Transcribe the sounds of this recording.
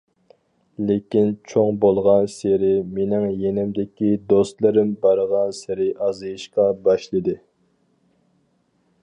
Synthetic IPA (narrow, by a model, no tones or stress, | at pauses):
lekʲint͡ʃʰoŋbolˠʁɑnseɾɪmenɪŋjenɪmd̪ɪkʲid̪ost̪lˠɨɾɪmbɑɾʁɑnsɪɾɪʔɑzɨjiʃqɑbɑʃlˠɨd̪ɨ